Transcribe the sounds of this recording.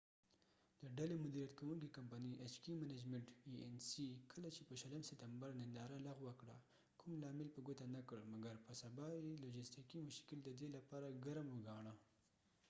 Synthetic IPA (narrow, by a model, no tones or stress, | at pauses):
d̪̥əɖalemʊd̪iɾjat̪kawuŋkikampaniʔet͡ʃkimanad͡ʒmeɳʈiensikʰəlat͡ʃepəʃaləmsɪt̪ambaɾnɪnd̪ɑɾalaɣwəkɽa | kʰumlɑmɪlpəɡot̪anakəɽmaɡaɾpəsabɑjelod͡ʒɪstikimʊʃkɪld̪əd̪elapɑɾaɡaɾmwəɡɑɳa